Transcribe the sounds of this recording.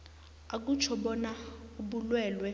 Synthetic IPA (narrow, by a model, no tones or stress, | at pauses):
ak̬ut͡ʃʰɔɓɔnauɓulwɛːlwɛ